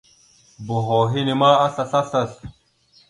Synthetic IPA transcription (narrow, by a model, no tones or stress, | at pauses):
buɦoːɦinimaːɐsɐsɐsɐs